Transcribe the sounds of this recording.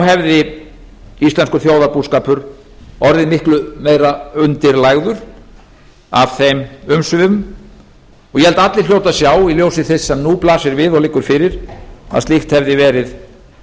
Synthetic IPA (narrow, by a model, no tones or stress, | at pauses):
ɦɛvðɪ | ist̪lɛnskʏɾ̥θjoːwðaɾpuskaːpʏɾ | ɔɾðɪnmɪhklʏmejɾaʏnt̪ɪɾlaːɣðʏɾ̥ | a̰v̥θejmʏmsʏvɪʏm | ɔɣjɛhɛlt̪at̪lɪɾ̥ljoːwt̪asjaːwiljoːwsɪθɛsːɛmnuplaːsɪɾvɪðɔɣlɪkːʏɾ̥fɪɾɪɾ̥a̰ðst̪ixt̪hɛvðɪvɛːɾɪð